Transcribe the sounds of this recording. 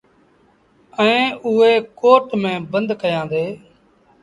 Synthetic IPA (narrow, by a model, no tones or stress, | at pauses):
əẽːʊeːkoːʈmẽːbənd̪kəjãːnd̪eː